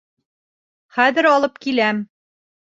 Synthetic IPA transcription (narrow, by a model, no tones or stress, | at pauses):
χæðɘ̆ɾɒlˠɤp̚kilæm